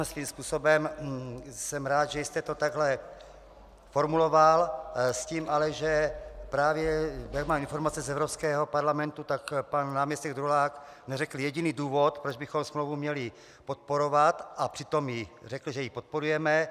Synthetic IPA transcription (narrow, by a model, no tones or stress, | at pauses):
sviːmspuːso̞bɛm | sɛmɾaːt̪ʒɛjɪst̪ɛt̪o̞t̪aɡɦlɛ | fo̞ɾmulo̞valsciːmʔalɛʒɛpɾaːvjɛjak̚maːminfo̞ɾmat͡sɛzɛvɾopskɛːɦopaɾlamɛnt̪ut̪akpanːaːmɲɛst̪ɛɡd̪ɾulaːk | nɛrɛkl̩jɛɟiniːduːvo̞t̪pɾod͡ʒbɪxomsmlowvumɲɛlɪ | pot̪̚po̞ɾo̞vat̪ʔapr̥ɪt̪o̞mjɪrɛkl̩ʒɛjɪpot̪̚po̞ɾujɛmɛ